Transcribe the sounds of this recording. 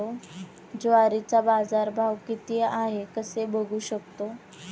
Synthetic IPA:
o | d͡zoaɾit͡sabad͡zaɾbʱaʋkit̪eʔaɦekəsebʱəɡʱuːɕək̚t̪o

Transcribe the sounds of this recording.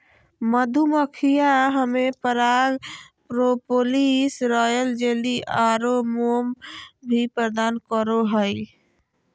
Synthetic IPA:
məd̪ʱuməkʰijaɦəmepəɾaɡ | pɾopolisɾɔːjəld͡ʒeːliʔaːɾomombʱipɾəd̪aːnkəɾoɦəi

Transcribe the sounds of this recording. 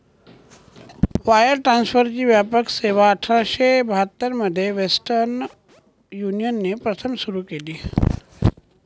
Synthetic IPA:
ʋajəɾʈɾansfʰəɾt͡ɕiːʋjapəkseʋaəʈʰɾaɕebʱat̪əɾməd̪ʱːjeʋesʈəɾn | junijənːepɾət̪ʰəmsuɾukeliː

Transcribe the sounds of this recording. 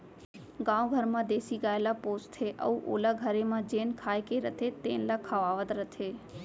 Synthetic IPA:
ɡãwɡʱəɾmãd̪esiɡaelapost̪ʰeʔə̰ũʔo̰laɡʱəɾemãd͡ʒenkʰajkeɾət̪ʰet̪enlakʰaʋaʋət̪ɾət̪ʰe

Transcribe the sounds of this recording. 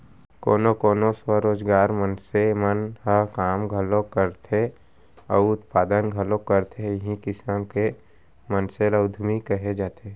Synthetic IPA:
koːnokoːnoswəɾoːd͡ʒɡaːɾmənsemənhəɦkaːmɡʱəlõkəɾt̪ʰe | ɔːʊt̪paːd̪ənɡʱəlõkəɾt̪ʰejɦĩkɪsaːmke | mənseləʊd̪ʱmikəɦed͡ʒaːt̪e

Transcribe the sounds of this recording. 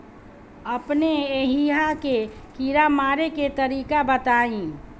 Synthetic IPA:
ɐpneeːɦiɦakekiɾamaːɾeket̪əɾiːkabət̪aːĩː

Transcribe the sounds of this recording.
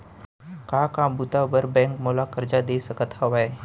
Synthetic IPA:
kaːkãːbut̪abəɾbɛ̃ːŋkmoːlakɐɾd͡ʒad̪eːsəkət̪haʋae

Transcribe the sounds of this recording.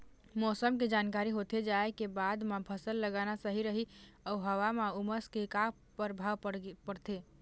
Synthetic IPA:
mɔsəmked͡ʒankaɾiɦot̪ed͡ʒaekebad̪mebʰʱəsəlːəɡanasəɦiɾəɦiəuɦəʋamauməskeka | pəɾbʱaʋppəɽt̪ʰe

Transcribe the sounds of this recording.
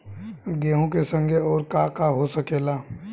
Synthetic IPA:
ɡeːɦõkesə̃ŋɡʱeɔːɾkaːkaɦosəkeːlaː

